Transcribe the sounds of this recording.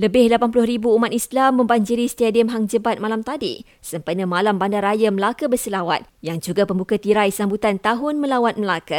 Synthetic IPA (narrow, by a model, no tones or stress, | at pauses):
ləbɪhlapanpulʊɦɾibuːmat̪islamːə̃mbaɲd͡ʒiɾist̪adiəmɦaŋd͡ʒəbat̪̚malamt̪adḭ | səmpənə̃malambandaɾajaməlakəbərsəlawa̰t̪̚jaŋd͡ʒuɡapəmbukat̪iɾajsambut̪ant̪aɦʊnmə̃lawat̪̚məlaka